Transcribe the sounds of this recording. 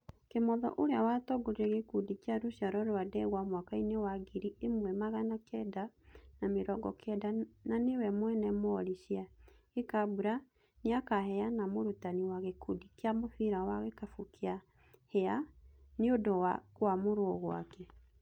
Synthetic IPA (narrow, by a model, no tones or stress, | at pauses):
kemɔðɔ̰ʔoɾeawatɔɡoɾeɣekudikaɾoɕjaɾɔɾoadɛɣwamwakainewaɡiɾiemwɛmaɣanakɛda | nameɾɔɡɔkʰɛdananewɛmwɛnɛmoɔɾiɕia | ɣekabuɾa | neakahɛanamoɾutaniwaɣekudikeamoθiɾawaɣekafukʰea | heaneodowakwamoɾwɔɣwa̰kɛ